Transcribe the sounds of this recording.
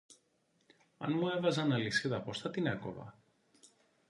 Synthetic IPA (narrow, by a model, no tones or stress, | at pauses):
ɐ̰nmuevɐzɐnɐlisiðɐposθɐt̪ineko̰vɐ̰